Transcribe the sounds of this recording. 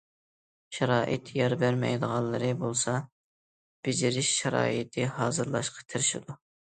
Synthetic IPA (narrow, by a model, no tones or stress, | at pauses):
ʃɛɾɑːʔɪ̰t̪ʰjɑɾbæɾmɛ̰jd̪əʁɑnlˠːɨɾɨbolˠsɑ | b̥ɪd͡ʒɪɾɪʃʃɛɾɑ̰ːit̪ʰɨhɑːzɨɾlˠɑʃqʰɑ̥t̪ʰɪɾɪʃɪd̪u